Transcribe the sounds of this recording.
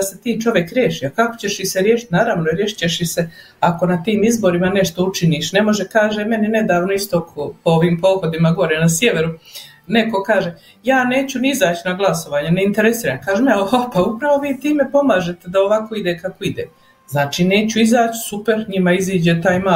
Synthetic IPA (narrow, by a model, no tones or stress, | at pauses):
d̪ase̞t̪iːt͡ʃo̞ʋjekɾjeːʃiːakako̥t͡ɕe̞ʃiseɾjeːʃi̥t̪ʲnaːɾaʋnoɾjeːʃi̥t͡ɕeʃise̞ | ako̞nat̪iːmizbo̞ɾimane̞ʃt̪o̞ut͡ʃiniːʃne̞mo̞ʒekaːʒeme̞nine̞d̪aːʋnoist̪okʰopooʋiːmpo̞ːxod̪imaɡo̞ɾenasjeʋe̞ɾu | ne̞ko̞kaːʒe | jaːne̞ːt͡ɕuniizaːt͡ɕinaɡlˠaso̞ʋaːɲene̞int̪eɾesiːɾamkaːʒemapaupɾaʋo̞ʋiːt̪iːme̞po̞maːʒe̞t̪e̞d̪aoʋako̞id̪ekako̞id̪ḛː | znaːt͡ʃiːne̞ːt͡ɕuizaːt͡ɕsupeɾɲimaiziːd͡ʑet̪aːjma